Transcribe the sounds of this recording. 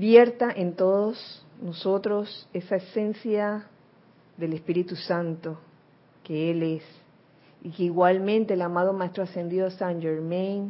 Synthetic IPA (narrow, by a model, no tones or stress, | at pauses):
bje̞ɾt̪aʔent̪oðosnoso̞t̪ɾosesaesẽ̞nsja | ðe̞lespiɾit̪usant̪o | keeles | ikeiɣwalmẽnt̪e̞eːlamað̞omaest̪ɾoase̞nd̪iðosand͡ʒeɾmejn